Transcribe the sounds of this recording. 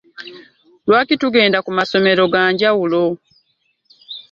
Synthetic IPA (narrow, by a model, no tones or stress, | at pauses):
lwaːkituɡe̞ːndakumaso̞me̞ɾo̞ɡaːɲɟawulo